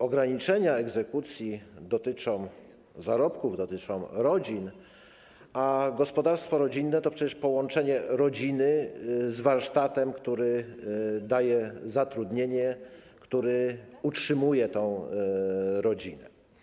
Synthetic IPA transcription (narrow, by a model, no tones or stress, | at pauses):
ɔɡɾaɲit͡ʂɛɲaɛɡzɛkut̪sʲjid̪ɔt̪ɘt͡ʂɔ̃w̃ | zaɾɔpkuvd̪ɔt̪ɘt͡ʂɔ̃w̃ɾɔd͡ʑin | aɡɔspɔd̪aɾst̪fɔɾɔd͡ʑinːɛt̪ɔpʂɛt͡ɕɛʂpɔwɔnt͡ʂɛɲɛɾɔd͡ʑinɘzvaɾʂt̪at̪ɛmkt̪uɾɘ | d̪ajɛzat̪ɾud̪ɲeɲɛ | kt̪uɾɛutʂɘmujɛt̪ɔ̃w̃ | ɾɔd͡ʑinɛ